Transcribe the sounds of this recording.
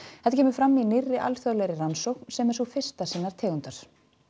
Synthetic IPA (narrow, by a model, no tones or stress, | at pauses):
hɛht̪acʰɛːmʏɾ̥fɾamːinɪrːɪʔa̰lθjœðlajɾɪransɔwknsɛmɛsɔfɪr̥st̪asiːnːaɾ̥t̪ʰeːɣʏnt̪aɾ̥